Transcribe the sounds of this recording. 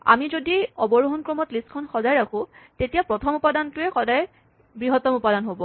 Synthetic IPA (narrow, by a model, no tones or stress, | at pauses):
a̰mizodiɔbɔɹoɦɔnkɹɔmɔtliskʰɔnxɔzajɹakʰʊ̃tetijapɹɔtʰɔmupadantʊɛxɔdaj | bɹiɦɔtɔmupadanɦobɔ